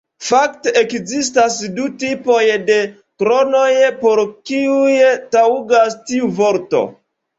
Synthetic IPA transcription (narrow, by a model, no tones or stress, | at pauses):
fakteʔekzistasdutipo̞jde̞ | kɾo̞no̞jpo̞ɾkiujtauɡastiuvo̞ɾto̞̰